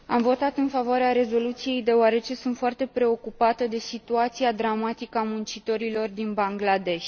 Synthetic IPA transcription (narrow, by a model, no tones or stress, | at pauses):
amvo̞t̪at̪ɨnfavoaɾeaɾe̞zo̞lut̪sije̞jd̪e̞oaɾe̞t͡ʃe̞sunt̪foart̪e̞pɾe̞o̞kupat̪əd̪e̞sit̪uat̪siad̪ɾamat̪ikəamunt͡ʃit̪o̞ɾilo̞rd̪inbaŋɡlad̪e̞ʃʲ